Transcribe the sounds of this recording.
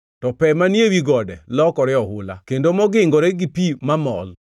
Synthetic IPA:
tɔpɛmanjewiɡɔdɛlɔkɔɾɪɔhʊla̰kendomɔɡɪŋɡɔɾeɡɪpimamɔ̰l

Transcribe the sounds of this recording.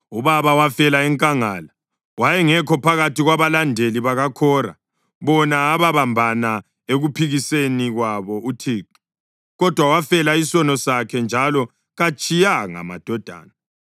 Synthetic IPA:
uβaβawafɛlaɛŋkʼaŋala | wajɛŋɛkʰɔpʰaɣatʰiɣwaβalandʱeliβaɣakʰɔra̰ | βɔnaːβaβambʱana | eɣupʰiɣiseniɣwaβɔutʰiːǃi̥ | ɣɔd̥ʱwawafɛlaisɔnɔsakʰɛnd͡ʒʱalɔ | ɣat͡ʃʼijaŋa̰ma̰d̥ʱɔd̥ʱa̰ːna

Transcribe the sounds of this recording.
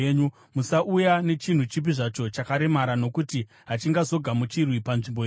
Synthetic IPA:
ɲu | musaʔujane̞t͡ʃin̤ut͡ʃip̬iʐat͡ʃo̞t͡ʃakaɾe̞maɾano̞kuti | ɦat͡ʃiŋɡazo̞ɡʱamut͡ʃirwipanʐimboje

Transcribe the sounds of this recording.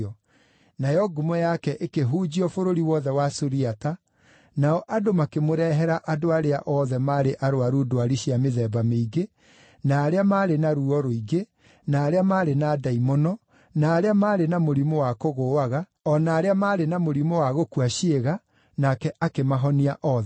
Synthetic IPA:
ɔ | najɔɡumɔjakɛʔekeɦuːd͡ʑiɔfoɾoɾiwɔðɛwasoɾiata | naɔʔadomakemoɾɛɦɛɾaʔadoaɾeaʔɔːðɛmaɾeʔaɾoaɾudoaɾiɕiameðɛːbameiɡe | naːɾeamaːɾenaɾuɔɾoiɡe | naːɾeamaːɾenadaimɔnɔ | naːɾeamaːɾenamoɾimowakoɣoːaɣa | ɔnaːɾeamaːɾenamoɾimowaɣokuaɕeɣa | nakɛʔakemaɦɔniaʔɔːðɛ

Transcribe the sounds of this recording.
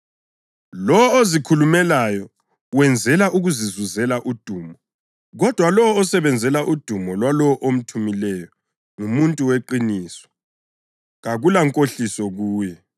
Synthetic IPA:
lɔɔozikʰulumɛlajɔ | wɛnd͡zʱɛlaʔuɣuzizuzɛlaʔud̥ʱuːmɔ | ɣɔd̥ʱwalɔwɔːsɛβɛnd͡zʱɛlaʔud̥ʱumɔlwalɔɔʔom̩tʰumilɛjɔ | ŋumuntʼuweǃiniːswɔ̥ | ɣaɣulaŋkʼoɬisɔɣuːjɛ

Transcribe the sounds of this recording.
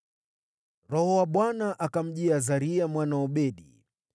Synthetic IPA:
ɾɔhɔwaɓwanaʔakam̩ʄiazaɾiamwanaɔɓɛɗḭ

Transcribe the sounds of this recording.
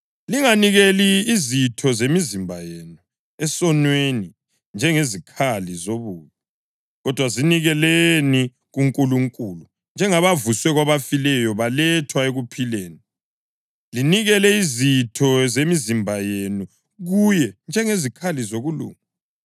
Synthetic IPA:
liŋaniɣeliːzitʰɔzemizimbʱa̰jeːnu | ɛsɔnweni | nd͡ʒʱɛŋezikʰalizoβuːβɔ | ɣɔd̥ʱwaziniɣɛleni | ɣuŋkʼuluŋkʼulu | nd͡ʒʱɛŋaβavuswɛɣwaβafilɛjɔβalɛtʰwaeɣupʰileːni | liniɣɛlɛizitʰɔzemizimbʱajenu | ɣujɛnd͡ʒʱɛŋezikʰalizoɣulṵːŋu

